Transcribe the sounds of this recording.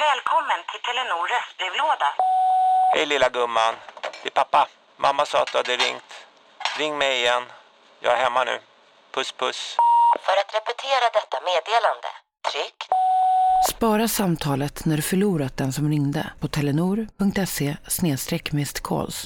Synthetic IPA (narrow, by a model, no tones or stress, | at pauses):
vɛːlkʰɔmːənt̪ʰɪlt̪ʰɛlːɛnuːɾəsbɾivloːd̪a | hɛjlɪlːaɡɵmːand̪̥ɪpʰapːa | mʔamːasɑ̰ːat̪̚d̪ɵhad̪əɾɪŋt̪ | ɾɪŋːmɛjɪjɛnː | jɑ̰ːæɾhɛmːanʉ̟̰ː | pʰɵspʰɵsfœɾat̪ɾɛpɛt̪ʰeːɾad̪ɛt̪ːameːd̪eːland̪ə̰ | t̪ʰɾʏkː | spɑːɾasamt̪ʰɑːlət̪næɖɵfœɭuːɾat̪̚d̪ɛnsɔmɾɪŋd̪ə̰pʰɔt̪ʰɛlɛnuːɾpɵŋkt̪ɛseːsneːst̪ɾɛkːmɛst̪kʰɔ̰ls